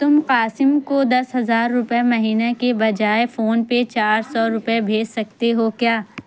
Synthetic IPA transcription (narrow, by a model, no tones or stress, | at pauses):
t̪ʊmqaːsɪmkod̪ɐsɦɐzaːɾːʊpemɐɦiːnakebɐd͡ʒaːefoːnpet͡ʃaːɾsɔɾʊpebʱeːd͡ʒsɐk̚t̪eɦokjaː